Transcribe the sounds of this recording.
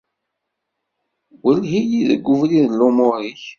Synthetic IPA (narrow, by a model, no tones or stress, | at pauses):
wəlɦijiðə̰ɡːʊvliðəlːʊmʊɾiç